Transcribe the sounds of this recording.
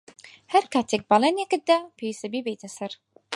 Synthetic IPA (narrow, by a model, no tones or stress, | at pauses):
hæɾkʰaːt̪ʰek̚bɑlˠeːnjekɨt̪̚d̪apʰewist̪ɐbibejt̪ʰɐsɐɾ